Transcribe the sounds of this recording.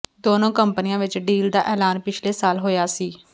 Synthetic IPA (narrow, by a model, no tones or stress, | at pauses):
d̪oːnõːkəmpənɪjãːʋɪt͡ʃɖiːld̪aːʔɛːlaːnpɪt͡ʃʰleːsaːlɦoːjaːsiː